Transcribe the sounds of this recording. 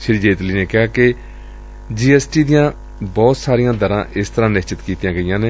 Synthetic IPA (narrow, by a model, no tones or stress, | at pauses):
ʃɪɾiːd͡ʒeːt̪liːneːkɪɦaːkɪ | d͡ʒiːɛːsʈiːd̪ɪjãː | bɔːt̪saːɾijãːd̪əɾãːʔɪst̪əɾãːnɪʃt͡ʃɪt̪kiːt̪jãːɡəijãːneː